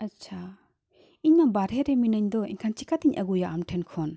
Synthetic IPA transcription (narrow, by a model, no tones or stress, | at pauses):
ɐtt͡ʃʰa | iɲnabaɾɦeɾeminɐɲd̪ɔḭŋkʰant͡ʃikat̪iɲʔɐɡujaʔamʈʰenkʰɔn